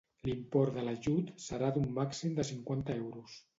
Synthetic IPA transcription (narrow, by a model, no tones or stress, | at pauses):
limpɔɾðələʒut̪səɾad̪umːaksimd̪əsiŋkwant̪əɛwɾus